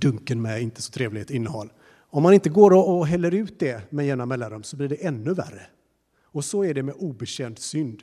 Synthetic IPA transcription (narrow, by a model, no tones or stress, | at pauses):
d̪̥ɵŋkənmɛɪnt̪ʰə̥sɔ̥t̪ʰɾeːvlɪet̪ɪnːəɦɔlː | ɔmːanɪnt̪əɡoːɾɔːɦɛlːəɾʉ̟ːt̪̚d̪ɛmɛjɛːnamɛlːanɾɵmːsɔbliɖɛʔɛnːɵvæ̰rːə | ɔsɔæɖɛmɛʔuːbɛɕɛnd̪sʏnd̪